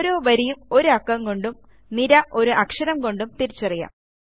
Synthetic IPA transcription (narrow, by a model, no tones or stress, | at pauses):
ɾoːʋɐɾijumo̞ɾuɐkːɐŋko̞ɳɖum | niɾɐʔo̞ɾuʔɐkʂɐɾɐmko̞ɳɖumt̪iɾit͡ɕːɐrija̰ːm